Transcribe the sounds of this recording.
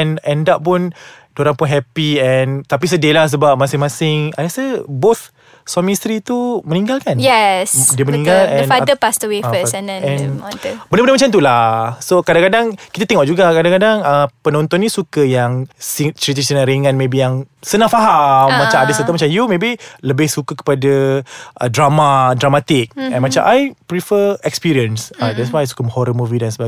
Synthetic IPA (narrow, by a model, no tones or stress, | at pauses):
ɛnɛ̃ndaʔpʊn | doɾaŋpʊnɦɛpiɛnt̪ap̬is̬ədelahs̬əbap̚masɪŋmãsɪŋa̰lasəbot̪ | sɔmist̪ɾit̪umənĩŋɡalkanjɛsdiəmənĩŋɡalɛ̃nadəpast̪əwefəsɛnɛɛ̃nɔ̃nbəndəbənəmat͡ʃant̪ulasokadãŋkadaŋkit̪at̪ɛŋɔʔ̚d͡ʒuɡakadãŋkadaŋəpənɔ̃nt̪ɔnːĩsukəjaŋsit͡ʃɾit̪əsənãɾiŋãnmebijaŋsənãfaɦamːat͡ʃamadəsət̪əmat͡ʃamjumebiləbɪhsukəkə̥padaʔədɾamadɾamat̪ɪk̚ɛ̃nmat͡ʃamʔajpɾifəɛkspiɾiənsadɛts̬wajsu̥kəmhɔɾəmuvidansəba